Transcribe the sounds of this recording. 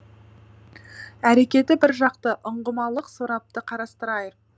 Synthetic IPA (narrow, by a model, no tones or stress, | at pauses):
æɾe̞kʲe̞t̪ɪbɪɾʒɑqt̪əʔʊɴʁəmɑlˠəqsoɾɑp̚t̪əqʰɑɾɑst̪əɾɑjəɾ